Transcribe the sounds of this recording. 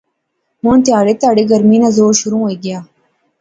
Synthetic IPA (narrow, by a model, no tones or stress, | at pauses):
mũnt̪iaːɽet̪aɽiɡɐɾmiːnɐzoːɾɕuɾũwejɡijaː